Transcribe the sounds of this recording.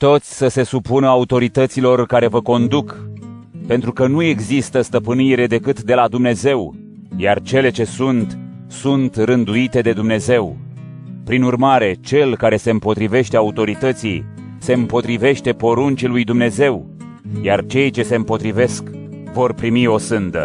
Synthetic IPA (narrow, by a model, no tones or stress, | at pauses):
t̪o̞t̪sʲsəse̞supunəaut̪o̞ɾit̪ət̪silo̞rkaɾe̞vəko̞nd̪uk | pe̞nt̪ɾukənue̞ɡzist̪əst̪əpɨniɾe̞d̪e̞kɨt̪d̪e̞lad̪umne̞ze̞w | jart͡ʃe̞le̞t͡ʃe̞sunt̪ | sunt̪rɨnd̪uit̪e̞d̪e̞d̪umne̞ze̞w | pɾinurmaɾe̞t͡ʃe̞lkaɾe̞se̞ɨmpo̞t̪ɾive̞ʃt̪eaut̪o̞ɾit̪ət̪sij | se̞ɨmpo̞t̪ɾive̞ʃt̪e̞po̞ɾunt͡ʃilujd̪umne̞ze̞w | jart͡ʃe̞jt͡ʃe̞se̞mpo̞t̪ɾive̞sk | vo̞rpɾimio̞sɨnd̪ə̰